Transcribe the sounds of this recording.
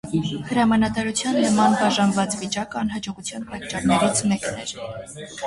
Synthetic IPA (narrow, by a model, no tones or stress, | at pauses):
həɾɑmɑnɑt̪ɑɾut͡sʰjɑnːəmɑnbɑʒɑnvɑt͡svit͡ʃɑkɑnɦɑd͡ʒɔʁut͡sʰjɑnpɑt̪̚t͡ʃɑɾnɛɾit͡sʰmɛknɛɾ